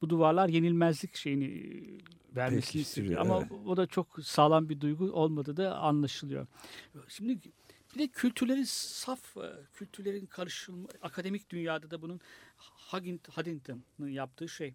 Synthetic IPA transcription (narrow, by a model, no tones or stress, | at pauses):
b̥ud̪uvaɾlˠaɾje̞nilʲmæzlʲicʃe̞jini | væɾmesinisʔa̰maod̪at͡ʃʰoksaːlˠanbid̪ujɡuʔo̞lˠmad̪ɯːd̪aa̰nlˠaʃɯlˠɯjo̞̰ʃimd̪i | b̥id̪ɛcʰylʲt̪ʰyɾlʲe̞ɾinsafcʰyt̪ʰyɾlʲe̞ɾinkʰaɾɯʃɯlˠmaakʰad̪emic̚d̪ynjaːd̪ad̪abununhaɡint̪had̪int̪ʰɯmnɯnjap̚t̪ʰɯːʃej